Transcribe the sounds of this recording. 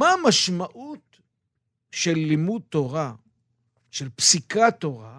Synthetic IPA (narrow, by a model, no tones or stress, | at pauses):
maːmaʃmaʔut̪ | ʃelːimud̚t̪oʁa | ʃelpsikat̪o̞ʁa